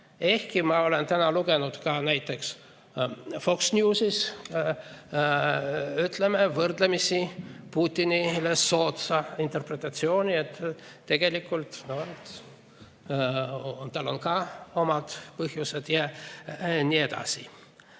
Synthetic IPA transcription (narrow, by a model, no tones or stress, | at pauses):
e̞hkimɑo̞le̞nt̪ænɑluɡ̥e̞nud̪̥kɑnæjt̪ːˑe̞ks | fo̞ksnʲjuːsis | yt̪lemevɤrd̪̥lemisipuːt̪ʲːinileso̞ːt̪sɑint̪e̞rpret̪ˑɑt̪sio̞ːnʲiet̪ːt̪ːe̞ɡ̥e̞likːˑult̪noet̪ | ont̪ɑlo̞nkɑo̞mɑd̪̥pɤɦjuse̞d̪̥jɑ | nʲie̞d̪̥ɑ̰si